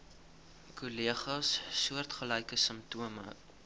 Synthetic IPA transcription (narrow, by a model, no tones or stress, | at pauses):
kuliəχɑsːuərtχəlɐjkəsəmtuəmə̰